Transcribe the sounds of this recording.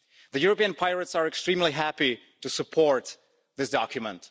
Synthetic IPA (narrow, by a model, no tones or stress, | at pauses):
ðɨjʊɹəpiɨ̃npʰaɪɹətsəɹɛkstɹĩmliɦæpi | tɨsɨpʰɔɹt̪ | ðɪsd̥ɑkʰjɨmə̰̃nt